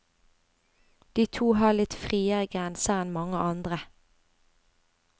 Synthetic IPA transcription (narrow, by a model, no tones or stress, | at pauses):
d̪̥iːt̪ʰuːɦɑːlɪt̪fʁiːəɡʁɛnsəɛnmɑŋəʔɑnd̪ʁə